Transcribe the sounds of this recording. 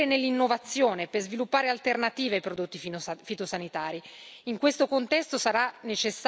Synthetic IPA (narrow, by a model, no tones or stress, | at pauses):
enelːinːovat̪sːjoːnepezvilupːaːɾealt̪ernat̪iːveajpɾod̪ot̪ːiffit̪osanit̪aːɾiiŋkwest̪okont̪ɛst̪osaɾanet͡ʃesː